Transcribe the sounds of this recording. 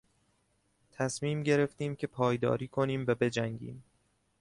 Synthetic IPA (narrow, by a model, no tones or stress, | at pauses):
t̪ʰæsmiːmɟe̞ɾe̞ft̪iːmcʰe̞pʰɒːjd̪ɒ̰ːɾiːkʰo̞niːmvæbe̞d͡ʒæŋɟḭːm